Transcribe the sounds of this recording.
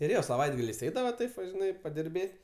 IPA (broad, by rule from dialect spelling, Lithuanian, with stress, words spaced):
ɪr ˈjoː sɐˈʋɐɪdɡɐlʲɛɪs ˈɛɪdɐʋɐ ˈtɐɪp ʋɐ ʒʲɪˈnɐɪ pɐdʲɪrʲˈbʲeːtʲ